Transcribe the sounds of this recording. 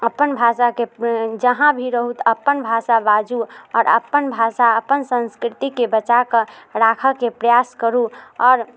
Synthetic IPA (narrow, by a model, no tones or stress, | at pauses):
əpːənbʱasaked͡ʒəɦãbʱiɾəɦut̪əpːənbʱasabad͡ʒuɔːɾə̰pːənbʱasaəpːənsə̃nskɾɪt̪ikebət͡ʃakəɾakʰəkepɾəjaskəɾuɔːɾ